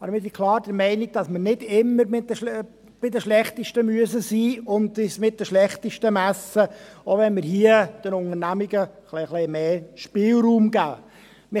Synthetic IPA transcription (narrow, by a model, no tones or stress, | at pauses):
ɑbəɾmɪɾsikʰlɑːɾd̥əɾmɛɪniɡ̚d̥ɑsməɾnɪdɪmːəɾmɪ | b̥ɪdəʃlɛχt̪əʃtəmyəsəsiːʊndɪsmɪt̚d̥̪əʃlɛχt̪əʃtəmæsəoːʋɛnmɪɾhiəd̥ənʊŋəɾnæmiɡəχleχleɪmeːʃpɪːlɾuːmɡ̥æː | mɪ